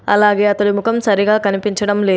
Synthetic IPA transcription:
ɐ̰laːɡeːɐt̪ɐlumukʰɐmsɐɾiɡaːkɐnipiɲt͡ʃɐɽɐmleː

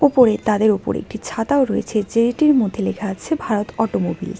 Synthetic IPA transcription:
opoɾet̪ad̪eɾopo̰ɾḛk̚ʈit͡ɕʰat̪aoɾoḛt͡ɕʰed͡ʑeɾiʈiɾmod̪ʱːelekʰaaːt͡ɕʰebʱaɾot̪ɔʈomobil

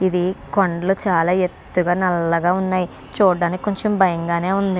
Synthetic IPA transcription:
id̪ikɐɳɖɐlut͡ʃaːlaːet̪ːuɡaːnɐlːɐɡaːunːaːji | t͡ʃuːɖːaːnikʲi̥ko̞ɲt͡ʃembʱɐjɐŋɡaːne̞ːund̪i

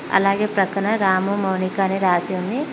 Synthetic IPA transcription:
ɐ̰laːɡeːpɾɐkɐɳɐɾaːmumɐwnikaːneɾaːsiunːi

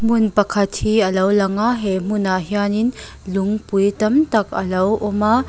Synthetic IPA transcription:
munpɐkʰɐthiɐlɐwlɐŋaɦem̥unaɦijanin | luŋpujtɐmtɐkʰɐ̰lɐwʔɔma

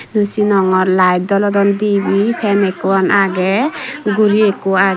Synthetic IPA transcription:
nusinɔŋɔɾlajd̪ɔlɔd̪ɔnd̪ibipʰɛnekuɔnʔaɡɛɡuɾiekua

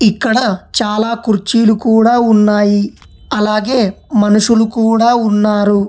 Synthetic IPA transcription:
ikːɐɽɐt͡ʃaːlaːkuɾt͡ʃiːlukuːɽaːunːaːji | ɐlaːɡe̞ːmɐnuʂulukuːɽaːunːaːɾu

